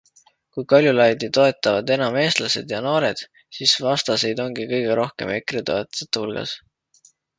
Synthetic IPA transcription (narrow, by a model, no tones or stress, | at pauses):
kujkɑlʲjulɑjd̪it̪o̞e̞t̪ːˑɑvɑd̪e̞nɑme̞ːst̪lɑse̞̰d̪̥jɑno̞ːɾe̞d̪̥ | sisvɑst̪ɑse̞jd̪o̞ŋɡ̥ikɤjɡ̥e̞ɾo̞hke̞̰me̞kɾet̪o̞et̪ːˑɑ̥set̪ːˑhulɡ̥ɑ̰s